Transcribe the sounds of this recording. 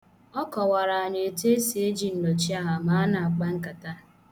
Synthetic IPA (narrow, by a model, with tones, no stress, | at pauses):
ɔ˦kɔ˨wa˨ɾa˨a˨ɲe˨e˨te˦si˨e˦d͡ʒi˨n̩˨lo˨t͡ʃi˦a˦ɦa˨ma˨˦a˦na˨a˨k͡pa˦ŋ̩˦ka˨ta˦